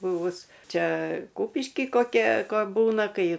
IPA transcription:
ˈbʊʋʊs ˈt͡ʃʲɛ ˈkʊpʲɪʃʲkʲɪ koːˈkʲɛ ˈkoː ˈbuːnɐ ˈkɐɪ

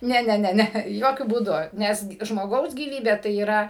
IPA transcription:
ˈnʲɛ ˈnʲɛ ˈnʲɛ ˈnʲɛ ˈjoːkʲʊ buːˈdʊ ˈnʲɛs k ʒmoːˈɡɐʊs ɡʲiːˈʋʲiːbʲeː tɐɪ iːˈrɐ

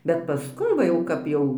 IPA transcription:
bʲɛt pɐˈskʊɪ ʋɐ ˈjɛʊ ˈkɐp jɛʊ

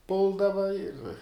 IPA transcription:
ˈpʊlˠdɐʋɐ ɪr

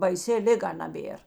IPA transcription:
bɐɪˈsʲɪ ˈlʲɪˌɡɐ nɐˈbʲeːr

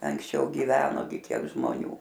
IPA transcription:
ɐŋksʲˈt͡ʃʲɛʊ ɡʲɪˈʋʲæːnoː ɡʲɪ ˈkʲiɛk ʒmoːˈnʲuː

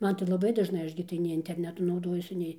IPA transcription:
ˈmɐn tɐɪ lˠɐˈbɐɪ dɐʒˈnɐɪ ˈɐʃ ɡʲɪ tɐɪ nʲɛɪ ɪnʲtʲɛrʲˈnʲæːtʊ nɐʊˈdoːjuɔsʲɪ ˈnʲɛɪ

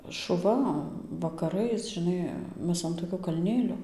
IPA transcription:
ʃʊˈʋɐ ʋɐkɐˈrɐɪs ʒʲɪˈnɐɪ ˈmʲɛs ɐn toːˈkʲoː kɐlʲˈnʲeːlʲoː

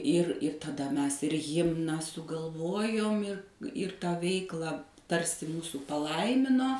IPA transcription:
ɪr ɪr tɐˈdɐ ˈmʲɛs ɪr ˈɣʲɪmnɑː sʊɡɐlˠˈʋoːjoːm ɪr ɪr tˈɑː ˈʋʲɛɪklˠɑː ˈtɐrʲsʲɪ ˈmuːsuː pɐˈlˠɐɪmʲɪnoː

